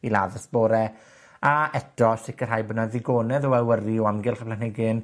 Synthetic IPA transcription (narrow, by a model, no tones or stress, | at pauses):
ilaðəsb̥oːɾɛ | aɛdɔsɪkərɦajbənaðɪɡoːnɛðɔwɛwəriɔamɡɪlˠχəpʰlanhɛɡɪn